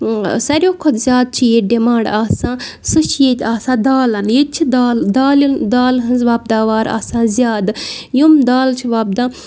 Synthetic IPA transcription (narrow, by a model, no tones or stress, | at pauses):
sɐɾʲoːkʰod̪zʲaːd̪̚t͡ʃʰijeɖemãːɳɖaːsãː | sɨʃjet̪ʲaːsãːd̪aːlɐnjet̪̚t͡ʃʰid̪aːld̪aːlid̪aːlɦɨnzʋaːb̚d̪aːʋaːɾa̰ːsãːzʲjaːd̪jumd̪aːlt͡ʃʰiʋaːb̚d̪aː